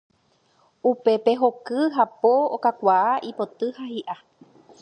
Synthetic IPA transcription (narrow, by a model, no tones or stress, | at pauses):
upe̞pe̞ɦo̞kɨɦapookakʷaaʔipo̞t̪ɨhahiʔa